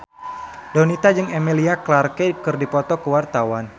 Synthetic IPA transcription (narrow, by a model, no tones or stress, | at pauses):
dɔnit̪ad͡ʒɨŋemiliaklarkekɨrdipɔt̪ɔkəwart̪awan